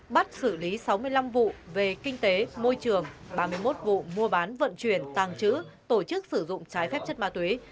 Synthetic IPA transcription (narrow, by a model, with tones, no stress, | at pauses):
ɓa˦˥t̚sɨ˧˩li˨˦sa˨˦wmɨ˧əjla˧mvṵ˧˨ve˨˩kï˧ŋ̟t̪e˨˦mo˧jt͡ɕɨ˨˩əŋɓaː˧mɨ˧əjmo˦˥t̚vṵ˧˨mu˧əɓaː˨˦nvə̰˧˨nt͡ɕwi˧˩ənt̪aː˨˩ŋt͡ɕɨ̰˧˥t̪o˧˩t͡ɕɨ˦˥k̚sɨ˧˩zʊ̰˧˨ŋ͡mt͡ɕaː˨˦jfɛ˦˥p̚t͡ɕə˦˥t̚maː˨˧˩t̪we˨˦